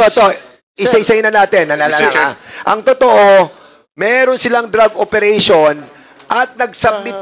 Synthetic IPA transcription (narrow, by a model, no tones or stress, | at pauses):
ot̪o | ʔɪsaɪsɐɪnɐnaːt̪ɛnːɐlalalɐŋaʔɐŋt̪ot̪oʔo | mɛːɾo̞nsɪlaŋd̪ɾaɡʔopɛɾɛjʃon | ʔɐt̪̚nɐɡ̚sɐb̚mɪt̪̚